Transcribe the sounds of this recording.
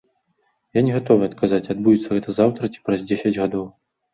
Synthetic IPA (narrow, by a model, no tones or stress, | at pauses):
janʲɛɣat̪ɔvɨɐt̪kʰazat͡sʲad̪̚bujʲɛt̪sːɐɣɛt̪ɐzawt̪ɾɐt͡sʲi̥pɾɐzʲd͡zʲesʲɐd͡zʲɣad̪ɔw